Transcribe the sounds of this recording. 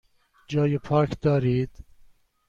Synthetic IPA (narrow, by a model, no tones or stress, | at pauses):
d͡ʒɑːjepʰɑːkd̪̥ɑːɾiːd̪̥